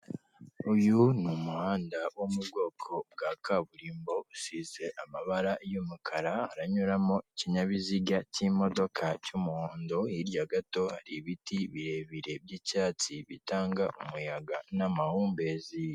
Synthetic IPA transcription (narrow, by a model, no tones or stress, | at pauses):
ujunumuhaːndawomubɡo̞ːkʰo̞b̚ɡakaβuɾiːmbo̞usize̞ʔamaβaɾajumukʰaɾahaɾaɲuɾamo̞iciɲaβiziɡacimo̞do̞kʰacumuhoːndoiɾjaɡato̞haɾiβitiβiɾe̞βiɾe̞bjiːcaːt͡siβitaːŋɡaʔumujaɡanamahuːmbe̞ːzi